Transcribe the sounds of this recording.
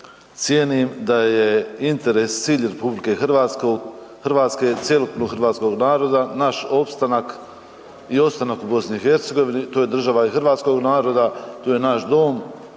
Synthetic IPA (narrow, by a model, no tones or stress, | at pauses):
t̪sjenimd̪aje̞int̪e̞ɾe̞st̪siːʎɾe̞publike̞xʋakoɡ | xrʋaːt̪ske̞t̪sjelok̪noxəɾʋaːt̪sko̞ɡnaːɾo̞d̪anaʃo̞pst̪anak | io̞pst̪anakubo̞sniixe̞ɾt̪se̞ɡo̞ʋinit̪oːje̞d̪r̩ʒaʋaixrʋaːt̪sko̞ɡnaːɾo̞d̪at̪oːje̞naʃd̪o̞ːm